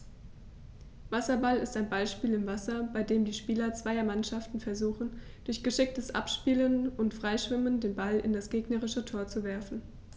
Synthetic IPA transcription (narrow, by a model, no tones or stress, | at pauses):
vasɐbalɪstaɪnbalʃpiːlɪmvasɐbaɪdeːmdiːʃpiːlɐt͡sv̥aɪɐmanʃaftn̩fɛɐzuːxn̩ | d̥ʊɐçɡ̥əʃɪk̚təsʔa̰pʃpiːlənʊntfʁ̥aɪʃv̥ɪməndeːnbalɪ̰ndasɡ̥eːɡnəʁɪʃətʰoːɐt͡suvɛɐfn̩